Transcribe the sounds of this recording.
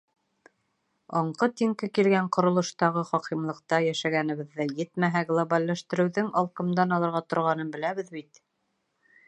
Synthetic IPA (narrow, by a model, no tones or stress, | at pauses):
ɒɴqɤt̪iŋkɘkilɡæɴqŏɾŏlˠɤ̆ʃt̪ɑʁɤχɒqimlˠɤ̆q̚t̪ɑjæʃæɡænɘ̆βɘ̆ðːæjɘt̪mæɦæɡlˠobalʲːæʃt̪ɘ̆ɾɘ̆wðɘŋɑlˠqɤ̆md̪ɑnɑlˠɤ̆ɾʁɑt̪ŏɾʁɑn̪ɤnbɘ̆læβɘðbit̪